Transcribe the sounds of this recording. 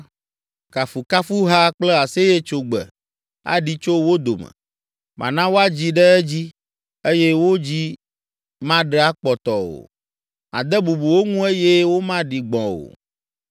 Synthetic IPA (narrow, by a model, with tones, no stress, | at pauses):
ka˨fu˨ka˦fu˦ɦa˦k͡plɛ˦a˨se˦je˦t͡ʃo˨ɡ͡bɛ̰˨ | a̰˦ɖi˦t͡ʃo˦wo˦d̪o̰˨mɛ̰̃˨ | mʔã̰˨nã˦wo˦a˦d͡ʑi˦ɖɛ˦ɛ˦d͡ʑi˦ | e˦jɛ˦wo˦d͡ʑi˦ | mã˦ɖɛ˦a˦k͡pɔ˨t̪ɔ˨wo̰˨ | a̰˨d̪ɛ˦bu˨bu˨wo˦ŋũ˦e˦jɛ˦wo˦mã˦ɖi˨ɡ͡bɔ̃˨wo̰˨